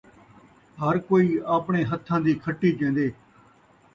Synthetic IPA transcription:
ɦəɾkoːiːaːpɳeːɦət̪ʰːãːd̪iːkʰəʈːiːt͡ʃẽːn̆d̪eː

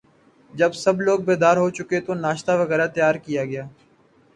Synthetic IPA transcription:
d͡ʒəbsəbloːɡ̚beːd̪aːɾɦot͡ʃʊket̪onaːʃt̪aʋəɣɛːɾat̪əjaːɾkijaːɡɪjaː

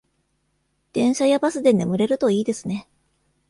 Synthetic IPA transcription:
d̪̥ẽ̞ɰ̃ɕajabasɨd̪e̞ne̞mɯ̟ɾe̞ɾɯ̟t̪o̞iːd̪e̞sɨne̞

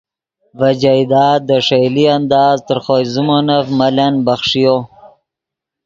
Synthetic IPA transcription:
vad͡ʒajd̪ɑːd̪ːəʂejliand̪ɑːzt̪əɾχojzumonafmalanbaxʂijo

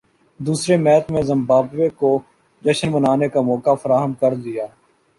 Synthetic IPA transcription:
d̪uːsɾemɛːt̪mẽzə̃mbaːbʋeko | d͡ʒəʃənbənaːnekamɔːkafəɾaːɦəmkəɾd̪ɪjaː

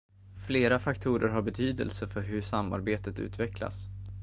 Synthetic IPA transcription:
fleːɾafakt̪ʰuːɾəɾɦaɾbɛt̪ʰyːd̪ə̰lsəfœɾɦɵʂamːa̰ɾbeːt̪ət̪ʉ̟̰ːt̪vɛkla̰s

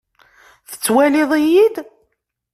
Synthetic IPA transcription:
θə̥t͡sːwælɪðˤijid̪

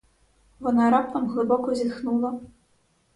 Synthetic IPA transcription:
vɔnaɾap̚t̪ɐmɣlˠɨbɔkɔzʲid̪xnulˠɐ

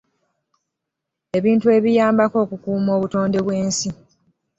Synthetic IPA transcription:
e̞βiːntue̞βijaːmbako̞ːkukuːmo̞ːβuto̞ːnde̞βwe̞ːnsi

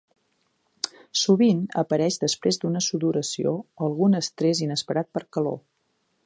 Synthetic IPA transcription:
suβinə̰pəɾɛʒd̪əspɾezd̪unəsuðuɾəsio̰əlˠɣunəst̪ɾezinəspəɾat̪̚pəɾkəlo̰

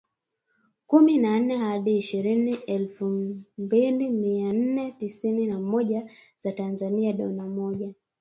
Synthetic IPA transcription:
kuminan̩nɛhaɗiːʃiɾiniʔɛlfumbilimian̩nɛtisininamɔʄa | z̥atanzaniaɗɔnamɔʄa

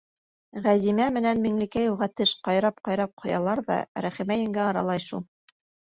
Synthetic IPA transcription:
ʁæzimæmɘ̆nænmĭŋlɘ̆kæjulˠʁɑt̪ɘʃqɑjɾɑp̚qɑjɾɑp̚qʰŏjɑlˠɑɾðɑ̰ɾæχɘ̆mæjɘ̆ŋɡæɑɾɑ̰lˠɑjʃulˠ

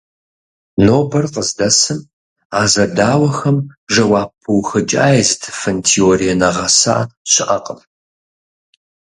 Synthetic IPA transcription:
noːbɐrqəzdɐsɨm | aːzɐdaːwɐxɐmʒɐwaːpʰːɨwxɨt͡ʃʼa̰ːjɛztʰfɐntʰioːɾijɛnɐʁɐsa̰ːɕɪʔɐqʼəm

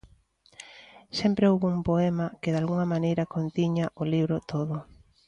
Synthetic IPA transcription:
sɛmpɾeowβumpoɛmɐkeðalɣuŋɐmanejɾɐkont̪iɲaʔoliβɾot̪oðʊ

